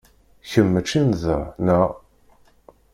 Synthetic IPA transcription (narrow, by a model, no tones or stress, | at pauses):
çəmːət͡ʃːinðənə